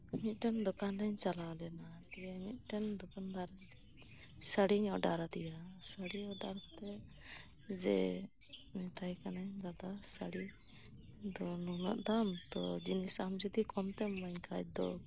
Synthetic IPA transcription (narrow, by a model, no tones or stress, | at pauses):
mit̪̚ˀʈɛnd̪ɔkandaɲt͡ʃalawlɛnad̪ijamit̪̚ˀʈɛnd̪ɔkand̪aɾad̪ɛ | səɽiɲɔɖaɾad̪ijasəɽiɔɖaɾt̪ɛ | d͡ʒɛ̰ | mɛt̪ʰajkanaɲd͡ʒad̪asaɽi | d̪ɔnuna̰ʔd̪amt̪ɔ̰d͡ʒinisamd͡ʒɔd̪ikɔmt̪ɛmaɲkʰat͡ʃ̚d̪ɔ